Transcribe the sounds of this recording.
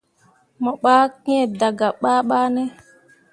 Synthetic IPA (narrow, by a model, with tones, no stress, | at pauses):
mɔ˨ɓaː˦kĩ˦e˨da˨ɡa˨ɓaː˦ɓaː˦nɛ˦